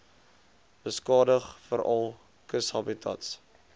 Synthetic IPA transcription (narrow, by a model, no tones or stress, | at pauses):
b̥əskɑːdəχfəɾɐlˠ | kəshɐbitʰɐ̰ts